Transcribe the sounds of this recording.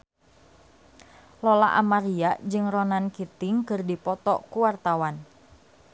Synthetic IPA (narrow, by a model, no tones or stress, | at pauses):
lɔla̰ʔa̰maɾiaʔd͡ʒɨŋrɔnankit̪ɪŋkɨrdipɔt̪ɔ̰ʔkuwart̪awan